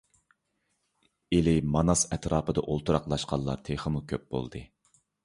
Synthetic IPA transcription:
elɪmɑnɑsɛt̪ɾɑːpɨd̪ɑʔolˠt̪ʰuɾɑqlˠɑʃqɑlˠːɑ̰t̪ʰeχəmukʲʰøp̚bo̰lˠd̪ɨ

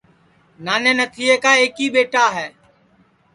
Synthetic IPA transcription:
naːnẽːnət̪ʰiːeːkaːeːkiːɓeːʈaːɦɛː

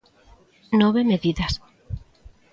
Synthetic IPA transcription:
nɔβemeðiðɐs

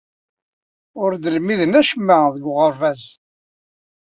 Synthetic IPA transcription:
ʊɾd̪əlmiðənæʃəmːæðəɡʁəɾvæz

